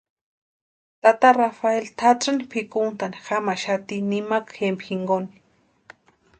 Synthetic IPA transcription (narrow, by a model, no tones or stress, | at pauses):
t̪at̪arafaelt̪ʰaʈ͡ʂanipʰikunt̪ani̥xamaʃat̪inimakxempxiŋɡoni̥